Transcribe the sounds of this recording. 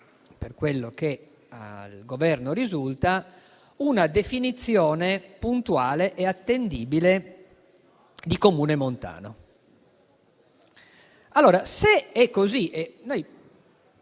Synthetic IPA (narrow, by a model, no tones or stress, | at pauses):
perkwelːoke | alɡovɛrnoɾizult̪a | unad̪efinit̪sːjɔːnepunt̪uaːleʔɛat̪ːend̪iːbile | d̪ikomuːnemont̪a̰ːno̰ | alːoːɾaseɛkːoziʔɛnoj